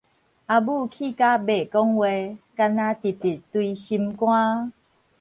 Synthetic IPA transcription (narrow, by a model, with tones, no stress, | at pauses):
ʔa˧bu˥˧˨kʰi˥˨ka˦be˨kɔ˦ŋwe˧ka˧nã˧t̪i˨˩t̪i˨˩t̪wi˧ɕi˧mkw̃ã˦